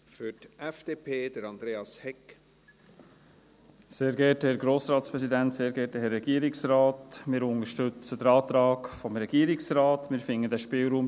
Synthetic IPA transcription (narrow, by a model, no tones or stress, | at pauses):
fʏtɛfd̪̥eːpʰeːd̪̥əɾɑnd̪ɾeːɑshɛk | seːɾɡɛthɛːɾɡɾoːsɾɑːt̪spɾɛsidænt̪seːɾɡɛːɾtəhɛrːɛɡ̥iːəɾɪksɾɑːtmɪːɾʊnəʃtʏt͡səd̪əɾɑːt̪ɾɑːkfɔmɾɛɡ̥iːəɾɪksɾɑːtmɪːɾfɪŋːədæʃpɪːlɾuːm